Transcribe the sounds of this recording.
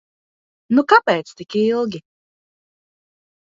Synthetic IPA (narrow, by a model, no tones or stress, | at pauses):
nukapɛːt̪st̪ikilˠɡʲi